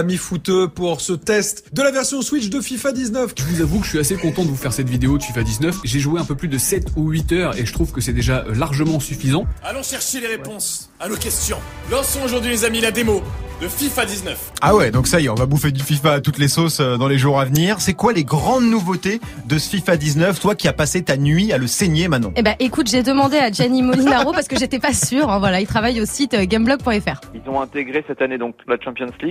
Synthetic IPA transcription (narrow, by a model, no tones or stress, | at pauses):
amifut̪øpuʁsət̪ɛst̪d̪əlavɛʁsjɔ̃swit͡ʃd̪əfifad̪iznœfʒəvuzavukəəɥiasekɔ̃t̪ɑ̃td̪əvufɛʁsɛt̪vid̪eod̪əfifad̪iznœfʒeʒueɛ̃pøplyd̪əsɛt̪uɥit̪œːʁeʒət̪χuvkəsɛd̪eʒaʔlaʁʒəmɑ̃syfizɑ̃alɔ̃ʃɛʁʃeleʁepɔ̃s | anokʲɛst̪jɔ̃ | lɔ̃ʁsɔ̃oʒuʁd̪ɥilezamilad̪emod̪əfifad̪iznœfawɛd̪ɔ̃ksajeɔ̃vabufed̪yfifaːt̪ut̪lesosød̪ɑ̃leʒuʁavniʁsɛkwaleɡʁɑ̃d̪nuvot̪e | d̪əsəfifad̪iznœft̪wakʲiapaset̪anɥialəseɲjemɛ̃t̪nɑ̰̃ebaʔekut̪ʒed̪əmɑ̃d̪ead͡ʒanimolinaʁopaʁsə̥kəʒet̪ɛpasyʁɛ̃vwalailt̪χavajosit̪ɡamblɔɡ̚pwɛ̃ɛfɛːʁilzɔ̃ɛ̃t̪eɡʁesɛt̪aned̪ɔ̃k̚lat͡ʃɑ̃pjɔnsli